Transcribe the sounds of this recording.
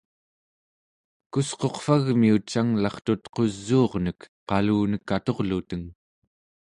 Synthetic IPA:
kusqo̞qfaɣmiut͡ʃːaŋlɑχt̪ut̪qo̞zːuːʁnək | qɑluːnəkːat̪o̞ʁlut̪əŋ

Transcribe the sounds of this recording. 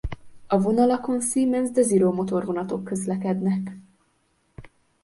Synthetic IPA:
ɒvo̞nɒlɒko̞nsiːmɛnzd̪ɛziɾomo̞t̪o̞rvo̞nɒt̪o̞kːø̞zlɛkɛd̪nɛk

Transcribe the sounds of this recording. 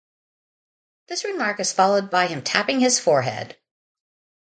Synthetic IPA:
ðɪsɹɨmɑɹkɨz̥fɑlˠoʊd̚baɪɨ̃mtʰæpɪ̃ŋɪz̥fɔɹɦɛ̰d̥

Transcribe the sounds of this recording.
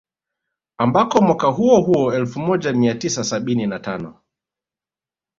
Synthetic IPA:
ambakɔmwakaɦuɔɦuɔɛlfumɔʄamiatisasaɓininatanɔ

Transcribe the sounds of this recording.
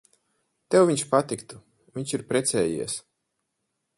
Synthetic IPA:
t̪ɛwviɲʃpat̪ikt̪u | vʲiɲʲt͡ʃiɾpɾɛt̪sɛːjḭɛs

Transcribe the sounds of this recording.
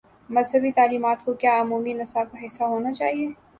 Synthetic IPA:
mɐzɦəbit̪aːliːmaːt̪kokjaːʊmuːminɐsakaɦɪsːaɦoːnat͡ʃaːɦie

